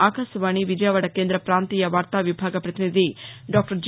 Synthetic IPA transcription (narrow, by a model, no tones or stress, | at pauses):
aːkasɐʋaːɳiʋid͡ʒɐjʋɐɽɐkeːnd̪ɾɐpɾaːnt̪iːjɐʋaːɾt̪aːʋibʱaːɡɐpɾɐt̪inid̪iɖaːk̚ʈɐɾd͡ʒ